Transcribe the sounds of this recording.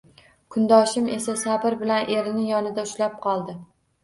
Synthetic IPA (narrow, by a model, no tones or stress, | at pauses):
kʰʊnd̪ɒʃɪme̞sasabɪɾbɪlanʔe̞ɾɪnɪjɒnɪd̪aʊʃlap̚qʰɒlˠd̪ɪ